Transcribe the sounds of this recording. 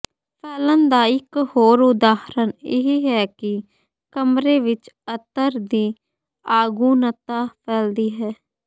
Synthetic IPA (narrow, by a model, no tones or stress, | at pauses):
pʰɛːlənd̪aːɪkhoːɾʊd̪aːhɾənɪ̰ɦiːɦɛːkɪ | kəmɾeːʋɪt͡ʃət̪ːəɾd̪iː | aːɡuːnət̪aːpʰɛːld̪iːɦɛː